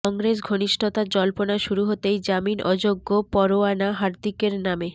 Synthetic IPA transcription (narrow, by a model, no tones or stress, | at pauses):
ɔŋɡɾes̬ɡʱoniʃʈʰot̪ad͡ʑɔlponaʃuɾuɦot̪ejd͡ʑaminʔɔd͡ʑoɡːopɔɾoanaɦaɾd̪ikeɾname